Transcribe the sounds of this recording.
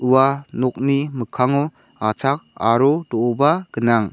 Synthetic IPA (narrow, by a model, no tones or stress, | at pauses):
uwanɔk̚niməkʰaŋɔ | at͡sʰak̚aɾɔdɔɔbaɡənaŋ